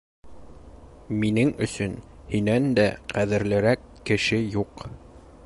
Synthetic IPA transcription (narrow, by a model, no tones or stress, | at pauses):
minɘŋɵ̆sɵn | hinænd̪æqʰæðɘ̆ɾlɘ̆ɾækːɘ̆ʃɘjuq